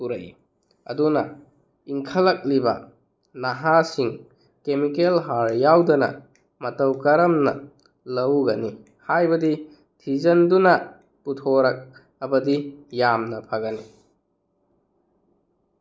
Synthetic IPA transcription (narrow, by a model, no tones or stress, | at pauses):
puɾɐ̰j | ɐ̰dunɐ | iŋkʰɐlɐk̚libɐ̰ | naɦasiŋ | kemikelɦaɾjawdɐnɐ̰ | mɐtɐwkɐɾɐmnɐ̰ | lɐwɡɐni | hajbɐdi | tʰizɐndunɐ | putʰoɾɐk̚ | ɐmɐdijamnɐpʰɐɡɐni